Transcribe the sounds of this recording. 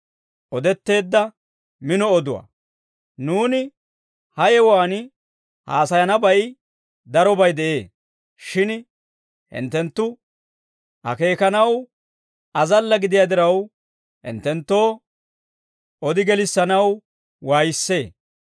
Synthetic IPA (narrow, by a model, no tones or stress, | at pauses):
ʔɔd̪ɛt̪ːe̞ːd̪ːɐ | mɪnɔːd̪ʊwa̰ː | nuːnɪ | hɐjɛwaːn | ha̰ːsɐjɐnɐbɐj | d̪ɐɾɔbɐjd̪ɛʔe̞ː | ʃɪn | hɪ̰nt̪ːɛnt̪ːʊ | hɐ̰ke̞ːkɐnɐw | ɐzɐlːɐɡɪd̪ɪjad̪ɪɾɐw | hɪ̰nt̪ɛnt̪ːo̞ː | ɔd̪ɪɡɛlɪsːɐnɐw | waːjɪsːe̞ː